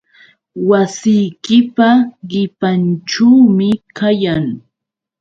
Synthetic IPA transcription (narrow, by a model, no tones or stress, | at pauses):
wasɪjkɪpaɢɪpanʈ͡ʂaːmɪkajaŋ